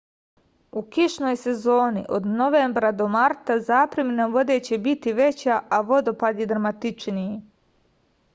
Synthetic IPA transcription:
ukiʃno̞jse̞zo̞ːnḭʔo̞̰d̪no̞ʋeːmbɾad̪o̞maɾt̪azaːpɾeminaʋo̞d̪eːt͡ɕe̞bit̪iʋe̞t͡ɕaʔaʋo̞d̪o̞pad̪jed̪ɾamat̪it͡ʃnije

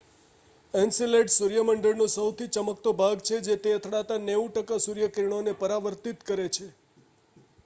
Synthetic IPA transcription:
ensileʈsuɾjəməɳɖəɭnũsəwt̪ʰit͡ʃəməkt̪obʱaɡt͡ʃʰed͡ʒet̪eət̪ʰɽat̪aneũʈəkasuɾjəkɾiɽ̃onepəɾaʋəɾt̪it̪kəɾet͡ʃʰe

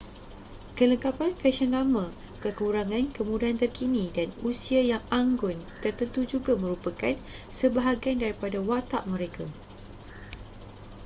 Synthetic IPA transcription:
kələŋkapanfɛʃɔnlamã | kəkuɾaŋãnkəmũdaant̪ərkinĩdanusiajaŋaŋɡʊnt̪ərt̪ənt̪ud͡ʒuɡamə̃ɾupakansəbaɦaɡandaɾipadawat̪aʔmə̃ɾeka

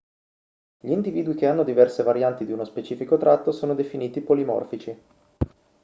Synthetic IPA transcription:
ʎiːnd̪iviːd̪uik̟eanːod̪ivɛrsevaɾjant̪id̪iunospet͡ʃiːfikot̪ɾat̪ːosoːnod̪efiniːt̪ipolimɔ̰rfit͡ʃi

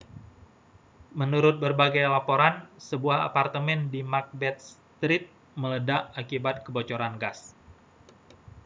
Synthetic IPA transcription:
mənuɾʊt̪̚bərbaɡajlapoɾansəbuaha̰part̪əmɛndimark̚bɛt̪̚s | t̪ɾit̪̚ | mələdaʔakibat̪̚kəbot͡ʃoɾanɡas

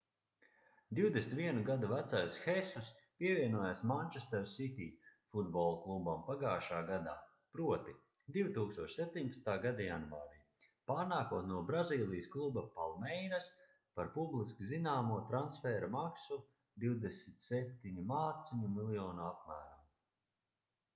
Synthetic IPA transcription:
d̪iwd̪esnʲit̪vʲiɛnuɡad̪uvæt̪sajsxɛsus | piɛvʲiɛnuɔjasmanʲt͡ʃest̪ɛɾsit̪iːfud̪bɔlˠklˠubampaɡaːʃaːɡad̪a̰ː | pɾuɔt̪i | d̪ivt̪uːkst̪uɔʃsep̚ʲt̪ʲiɲʲpḁst̪aːɡad̪ajanvaːɾiː | paːɾnaːkuɔt̪nuɔbɾaziːlˠijəsklˠubapalˠmɛjɾas | paɾpublˠiskizinaːmuɔt̪ɾansfɛːɾamaksu | d̪iwd̪esmt̪sɛp̚t̪iɲimaːt̪siɲumilˠjɔːnuap̚mæːɾam

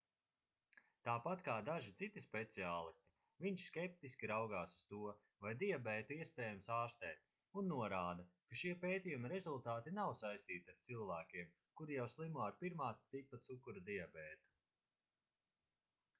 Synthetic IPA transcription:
t̪aːpat̪kaːd̪aʒit̪sit̪ispet̪siaːlˠist̪i̥ | viɲʃskʲɛp̚t̪iskʲiɾawɡaːsu̥st̪uɔ | vajd̪iabɛːt̪uiɛspɛːjamsaːɾst̪ɛːt̪ | unːuɔɾaːd̪ɐkaʃiɛpeːt̪ijumaɾezulˠt̪aːt̪inawsajst̪iːt̪ʲaɾt̪silˠvæːkʲiɛm | kuɾijawslˠimuɔaɾpiɾmaːt̪ipːat̪sukuɾad̪iabɛːt̪u̥

